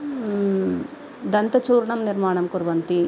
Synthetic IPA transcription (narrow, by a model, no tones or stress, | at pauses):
d̪ɐnt̪ɐt͡ʃuːɾɳɐmniɾmaːɳɐmkuɾʋɐnt̪i